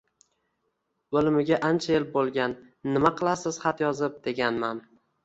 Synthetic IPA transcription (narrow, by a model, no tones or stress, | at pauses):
olmɪɡʲaʔant͡ʃʰaelbolˠɡʲanː | ɪmaqʰɨlˠasɪz̥χat̪jɒzɪp̚d̪̥e̞ɡʲanman